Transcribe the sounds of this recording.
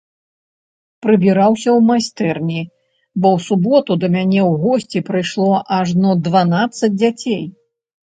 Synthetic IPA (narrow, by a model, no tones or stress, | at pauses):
pɾɨbʲiɾawsʲɐwmasʲt̪ɛrnʲi | bɔwsubɔt̪ud̪ɐmʲanʲɛwɣɔsʲt͡sʲipɾɨjʂlˠɔʔaʐnɔd̪vanat̪sːɐd͡zʲd͡zʲat͡sʲej